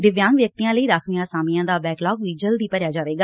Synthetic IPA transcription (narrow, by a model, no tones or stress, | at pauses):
d̪ɪʋjãːŋɡʋjək̚t̪ijãːləiːɾaːkʰʋɪjãːsaːmɪjãːd̪aːbɛːklɔːkʋiːd͡ʒəld̪iːpəɾjaːd͡ʒaːʋeːɡaː